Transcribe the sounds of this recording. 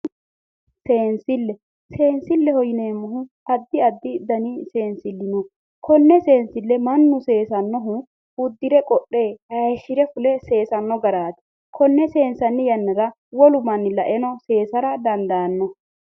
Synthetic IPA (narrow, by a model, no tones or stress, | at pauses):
seːnsɪlːɛ | se̞ːnsɪlːɛhɔjɪne̞ːmːɔɦʊhɐd̪ːɪɐd̪ːɪd̪ɐnɪse̞ːnsɪlːɪnɔ | kʰɔnːɛse̞ːnsɪlːɛmɐnːʊse̞ːsɐnːɔɦʊ | ʊd̪ːɪɾɛkʼɔɗːe̞ːhɐjʃɪɾɛfʊlɛse̞ːsɐnːɔɡɐɾaːt̪ɛ̥ | kʰɔnːɛse̞ːnsɐnːɪjɐnːɐɾɐ | wɔlʊmɐnːlɐʔɛnɔse̞ːsɐɾɐd̪ɐnd̪aːnːɔ